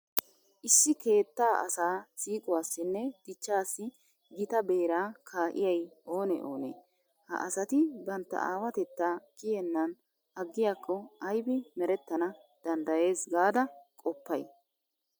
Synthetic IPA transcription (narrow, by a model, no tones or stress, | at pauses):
ʔɪsːɪke̞ːt̪ːaːʔɐ̰saːsiːkʼʊwaːsːɪnːɛd̪̥ɪt͡ʃːaːsːɪ | ɡɪt̪ɐbe̞ːɾaːkʰaːʔɪ̰jɐjʔo̞ːnɛ̰ʔo̰ːnḛː | hɐ̰ʔɐsɐt̪ɪbɐnt̪ːɐ̰a̰ːwɐt̪ɛt̪ːaːkɪjɛnːɐn | ɐɡːɪjaːkʰːɔɐjbɪmɛɾɛt̪ːɐnɐ | d̪̥ɐnd̪ɐje̞ːsɡaːd̪ɐkʼɔpːɐj